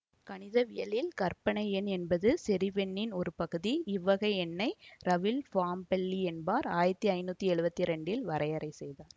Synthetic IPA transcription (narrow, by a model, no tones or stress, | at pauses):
kɐɳɪðɐʋɪjɐlɪlkɐɾpɐɳɐɪɛnɛnbɐðɯsɛɾiʋɛɳːɪnɔɾɯpɐɣɯðiɪʋːɐɣɐɪɛnːɐɪɾɐʋɪlfaːmpɛɭːiɛnbaːɾaːjɪɾɐt̪ːiɐɪnːuːt̪ːiɛɻɯbɐt̪ːiɾɛɳɖɪlʋɐɾɐjɐɾɐɪsɛjðaːɾ